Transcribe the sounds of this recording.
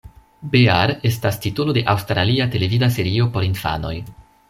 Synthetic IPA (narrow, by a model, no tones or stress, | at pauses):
beaɾe̞stastitulo̞de̞ʔawstɾaliate̞le̞vidase̞ɾio̞po̞ɾinfa̰no̞̰j